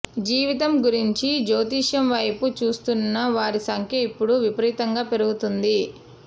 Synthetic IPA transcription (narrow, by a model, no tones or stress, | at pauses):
d͡ʒiːʋit̪̬ɐmɡuɾiɲt͡ʃid͡ʒoːt̪̬iːʂɐmʋɐjput͡ʃuːst̪unːɐʋaːɾisɐŋkʰjɐipːuɽuʋipɐɾiːt̪ɐŋɡaːpe̞ɾuɡut̪und̪i